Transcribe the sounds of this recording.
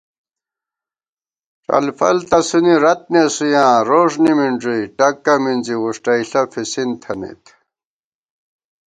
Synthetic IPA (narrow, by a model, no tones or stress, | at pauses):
ʈ͡ʂɐ̰lfɐ̰lt̪ɐsuniɾɐt̪̚nesujãːɾoːʂnimiɳʈ͡ʂujʈɐkːɐmind͡ʑiwuʂʈɐiɬɐfʰisint̪ʰɐnḭt̪